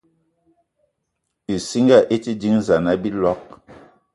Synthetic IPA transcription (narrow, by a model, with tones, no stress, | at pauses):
i˨si˦ŋɡa˦˨ʔe˦ti˦di˦ŋza˨na˦bi˦lɔ˦k̚